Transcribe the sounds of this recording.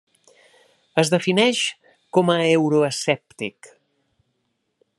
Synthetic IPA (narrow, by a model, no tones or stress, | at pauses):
əzðəfinɛʃ | kɔməewɾuəsɛp̚t̪ik